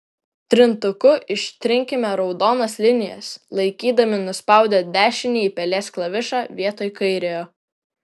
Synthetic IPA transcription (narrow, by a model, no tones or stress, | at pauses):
t̪ʲɾʲɪnt̪ʊkʊʔɪʃʲt̪ʲɾʲɪŋʲkʲɪmʲɛɾɒʊd̪oːnɐslʲɪnʲɪjɛ̰slˠɐɪkʲiːd̪ɐmʲɪnʊspɑˑʊd̪ʲɛːd̪ʲæːʃʲɪnʲiːpʲɛlʲeːsklˠɐʋʲɪʃɑːʋʲiɛt̪oːjkɐɪɾʲejoː